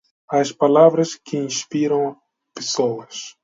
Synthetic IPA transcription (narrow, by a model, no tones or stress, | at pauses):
ɐspalavɾɐskʰɪĩspiɾɐ̃w̃ | pesowɐs